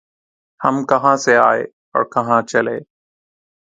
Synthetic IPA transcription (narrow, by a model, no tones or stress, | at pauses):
həmkəɦãːseaːḛː | ɔ̰ːɾkɐɦãːt͡ʃəleː